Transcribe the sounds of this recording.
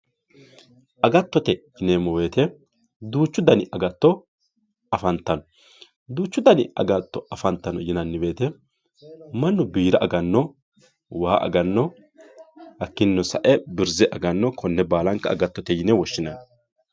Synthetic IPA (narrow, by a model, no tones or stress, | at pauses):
ʔɐɡɐt̪ːɔt̪ɛjɪnemɔwe̞ːt̪ɛ | d̪uːt͡ʃːʊd̪ɐnɪʔɐɡɐt̪ːɔ | ɐfɐnt̪ːɐnɔ | d̪uːt͡ʃːʊd̪ɐnɪ̰ɐ̰ɡɐt̪ːɔɐfɐnt̪ːɐnɔjɪnɐnːɪwe̞ːt̪ɛ | mɐnːʊbiːɾɐʔɐɡɐnːɔ | waːʔɐ̰ɡɐnːɔ | hɐkːɪnːɔsɐʔɛbɪɾzɛʔɐɡɐnːɔkʰɔnːɛbaːlɐŋkɐɐɡɐt̪ːɔt̪ɛjɪnɛwɔʃːɪnɐn